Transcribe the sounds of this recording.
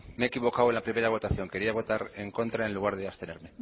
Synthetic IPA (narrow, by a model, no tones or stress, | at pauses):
meːkiβ̞o̞kawe̞nlapɾime̞ɾaβ̞o̞t̪aθjo̞ŋke̞ɾiaβo̞t̪aɾe̞ŋko̞nt̪ɾaenluɣaɾðeast̪e̞ne̞ɾme̞